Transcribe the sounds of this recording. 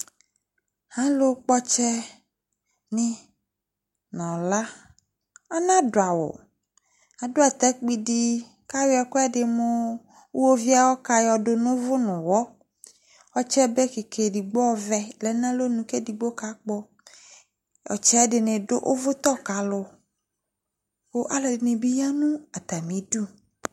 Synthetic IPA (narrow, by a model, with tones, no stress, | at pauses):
hã˦lo˦k͡pɔ˦t͡ʃɛ˦ | nĩ˦ | nɔ̃˨la˦ | a˦nã˦do˨a˨wo̰˨ | a˨do˦a˨t̪ɛ˦k͡pi˦di˦ | ka˦we˦a˨ko˦a˦ɖɪ˨mõ˦ | wo˦vi˦a˨wɔ˦ka˦jɔ˨ɖo˨nũ˦vʊ˦nũ˨wɔ˦ | ɔ˦t͡ʃɛ˦be˦ke˨kʰe˨di˨ɡ͡bɔ˦vɛ˦lɛ˨nã˦lo˦nũ˨ke˦di˨ɡ͡bo˦ka˨˦k͡pɔ˦ | jɔ̰˨t͡ʃɛ˦a˦ɖɪ˨nẽ˨ɖo̰˦ʔo˦vʊ˦t̪ɔ˦ka˨˦lʊ˨ | wo˦ʔa˨lɔ˨dɪ˨nẽ˨bi˦ja˦nũ˦a˨t̪a˨mĩ˨du˦